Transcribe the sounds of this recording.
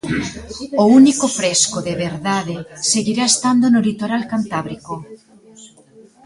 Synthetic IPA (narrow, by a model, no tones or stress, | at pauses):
ounikofɾeskoðeβeɾðaðeseɣiɾaest̪and̪onolit̪oɾalkant̪aβɾiko